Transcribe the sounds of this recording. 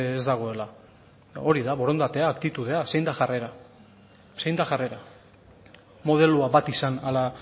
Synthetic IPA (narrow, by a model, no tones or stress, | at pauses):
ezd̪aɣ̞o̞e̞la | o̞ɾiðaβoɾo̞nd̪at̪e̞aːkt̪it̪uð̞e̞ase̞jnd̪aʝare̞ɾa | se̞jnd̪axare̞ɾa | mo̞ð̞e̞luaβat̪isanala